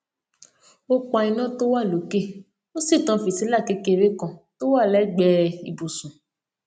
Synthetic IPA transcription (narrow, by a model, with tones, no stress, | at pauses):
o˦k͡pa˧i˧nã˦to˦wa˦˨lo˨˦ke˦ | o˦si˦˨tã˧˦fi˨sĩ˨˦la˦˨ke˨˦ke˧ɾe˦kã˧˨to˦wa˦˨lɛ˨˦ɡ͡bɛ˧ḭ˨bu˨sũ˨